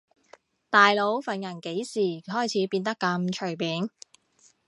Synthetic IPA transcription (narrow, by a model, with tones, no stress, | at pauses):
t̪aː˨jlo˨˥wfɐ˨˩njɐ˨˩nke˨˥jsiː˨˩hɔː˥jt͡sʰiː˨˥piː˧nt̪ɐ˥kːɐ˧mt͡ʃʰɵ˨˩ɥpiː˨˥n